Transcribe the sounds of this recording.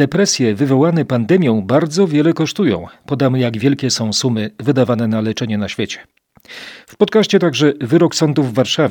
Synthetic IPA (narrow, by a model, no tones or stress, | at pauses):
d̪ɛpɾɛsʲjɛvɘvɔwanɛpand̪ɛmʲjɔ̃w̃baɾd̪zɔvʲjɛlɛkɔʂt̪ujɔ̰̃w̃pɔd̪amɘjaɡvʲjɛlkʲɛsɔ̃w̃sumɘvɘd̪avanɛnalɛt͡ʂɛɲɛnaɕfʲjɛt͡ɕɛ̥ | fpɔt̪̚kaɕt͡ɕɛt̪aɡʐɛvɘɾɔksɔnd̪uvːaɾʂavʲ